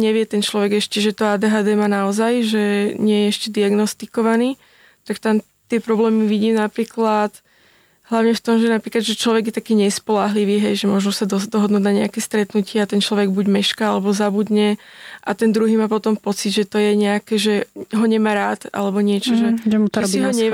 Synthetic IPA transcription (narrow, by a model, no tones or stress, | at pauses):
ɲɛʋɪɛt̪ɛnt͡ʃlɔʋɛɡɛʃcɛʒɛt̪ɔaːd̪ɛːɦaːd̪ɛːmaːnaɔzajʒɛɲɪɛjɛɛʃcɛd̪iaɡnɔst̪ikɔʋaniː | t̪akt̪am | t̪ɪɛpɾɔblɛːmiʋiɟiːmnapɾiːklat̪ | ɦlaʊɲɛft̪ɔmʒɛnapɾiːklad̪ʒɛt͡ʃlɔʋɛɡjɛt̪akiːɲɛspɔlaɦliʋiːɦɛjʒɛmʊɔʒnusad̪ɔd̪ɔɦɔd̪nuːɟnaɲɛakɛːst̪ɾɛt̪nucɪɛat̪ɛnt͡ʃlɔʋɛɡbuɟmɛʃkaalɛbɔzabud̪ɲɛʔat̪ɛnd̪ɾuɦiːmaːp̬ɔt̪ɔmpɔt͡siɟʒɛt̪ɔjɛɲɛakɛʒɛɦɔɲɛmaːɾaːt̪a̰lɛbɔɲɪɛt͡ʃɔʒɛʒɛuk̪iiɦɔɲɛ